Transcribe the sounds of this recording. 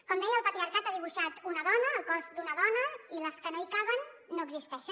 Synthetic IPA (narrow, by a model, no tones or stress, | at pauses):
kɔmd̪ɛjəlˠpət̪ɾiəɾkat̪aðiβ̞uʃat̪unəðɔnəːlˠkɔzd̪unəðɔnəiləskənoikaβənː | oəɡzist̪ɛʃə